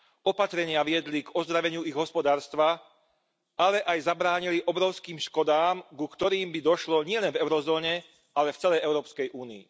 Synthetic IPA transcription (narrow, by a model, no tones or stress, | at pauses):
ɔpat̪ɾɛɲɪaʋɪɛd̪liɡɔzd̪ɾaʋɛɲɪuiɣɦɔspɔd̪aːɾst̪ʋa | alɛʔajzabɾaːɲiliʔɔbɾɔʊskiːmʃkɔd̪aːmɡukt̪ɔɾiːmbid̪ɔʃlɔɲɪɛlɛnvɛʊɾɔzɔːɲɛ | alɛft͡sɛlɛjɛʊɾɔːpskɛjʔuːniḭ